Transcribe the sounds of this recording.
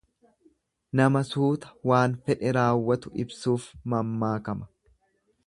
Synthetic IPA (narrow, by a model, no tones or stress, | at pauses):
nɐmɐsuːt̪ɐ̥waːnfɛᶑɛɾaːwːɐt̪ʊɪbsuːfmɐmːaːkɐmɐ̥